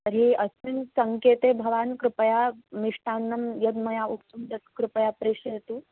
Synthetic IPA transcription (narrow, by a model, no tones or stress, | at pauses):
t̪əɾɦiɐsinsɐŋkeːt̪ebʱɐʋaːnkɾupɐjamiʂʈaːnːɐmjɐd̪mɐjauk̚t̪umt̪ɐt̪kɾupɐjapɾeʂejt̪uː